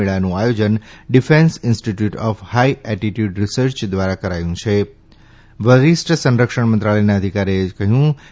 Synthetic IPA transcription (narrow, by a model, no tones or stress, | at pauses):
eɭanũajod͡ʒənɖifẽnsɪnsʈiʈjuʈɔfhaiɛʈiʈjuɖɾisəɾt͡ʃd̪ʋaɾakəɾajũt͡ʃʰe | ʋəɾisʈəsə̃nɾəkʂəɳmə̃nt̪ɾaɭəjnaəd̪ʱikaɾekəɦjũ